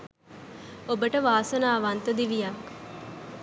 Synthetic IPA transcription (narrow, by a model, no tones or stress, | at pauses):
obəʈəʋaːsənaːʋant̪əd̪iʋijak